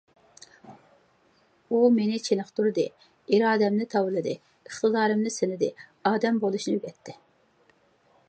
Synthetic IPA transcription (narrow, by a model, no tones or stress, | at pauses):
umenɪt͡ʃʰenɨχt̪uɾɨd̪ɨ | iɾɑːd̪ɛmnɪt̪ʰɑwɨlˠɨd̪ɨ | əχt̪ɨd̪ɑːɾɨmnɨsɪnɪd̪ɪ̰ɑːd̪ɛmbolˠuʃnɨøɡʲɛt̪ʰːɪ